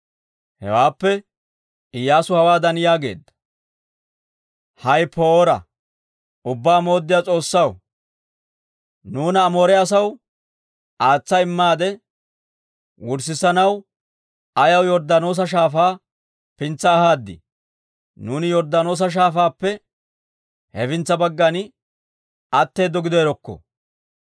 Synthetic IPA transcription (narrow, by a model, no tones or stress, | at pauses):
hɛ̰waːpːɛ | ɪjːaːsʊhɐwaːd̪ɐnɪjaːɡe̞̰ːd̪ːɐ̥ | hɐjpʰoːɾɐ̰ | ʊbːaːmo̞ːd̪ːɪjat͡sʼo̞ːsːɐw | nuːnɐːmoːɾɛɐs̬ɐw | ʔaːt͡sːɐɪmːaːd̪ɛ | wʊɾsɪsɐnɐw | ɐjɐwjɔɾd̪ɐno̞ːs̬ɐʃ̬aːfaː | pɪnt͡sːɐːhaːd̪ːɪ̰ | nuːnɪjɔɾd̪ɐno̞ːs̬ɐʃ̬aːfaːpːɛ | hɛfɪnt͡sːɐbɐɡːɐnɪ | ɐt̪ːe̞ːd̪ːɔɡɪd̪ɔɛɾɔkːɔ̰